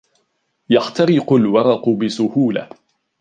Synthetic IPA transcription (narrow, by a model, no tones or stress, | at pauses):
jaxt̪ɑɾɪqʊlwɑɾˤɑqʊbɪsʊhuːla̰